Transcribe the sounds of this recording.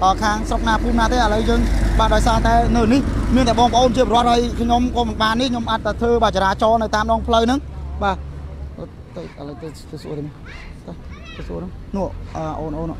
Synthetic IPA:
ʔəːkʰaːŋsrok̚naːpʰuːmnaːt̪eːʔaləwjəːŋɓaːɗaɔjsaːt̪aɛnɨwnihmiənt̪aɛɓɑːŋpəʔoːnpʰt͡ɕiəprŏət̪̚hɦəjkʰɲomkɑːmɨnɓaːnːihkʰɲomʔat̪ːaɛt̪ʰəːɓaːt͡ɕaɾaːt͡ɕɑːnɨwt̪aːmɗɑːŋpʰləwnɨŋɓaːə | t̪əʔələt̪ət̪isuət̪ən | t̪ːt̪əsuənɨnuəʔʔəːʔoːnʔoːnuə

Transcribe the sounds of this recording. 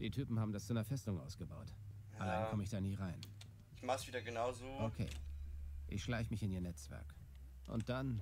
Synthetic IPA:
d̥iːtʰyːpm̩haːbm̩dast͡suʔnɐfɛstʊŋʔa̰ʊsɡ̥əbaʊt | ʔalaɪnkʰɔməɪçd̥aːniːʁaɪn | ɪçmaχsv̥iːdɐɡənaʊzoːʔokʰḛː | ʔɪ̰çʃlaɪçəmɪçɪniːɐnɛt͡sv̥ɛ̰ɐk | ʔʊ̰nt̚d̥an

